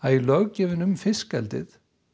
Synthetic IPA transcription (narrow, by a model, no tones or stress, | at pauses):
aðilœɣcɛːvɪnʏmfɪskɛ̰lt̪ɪ̰θ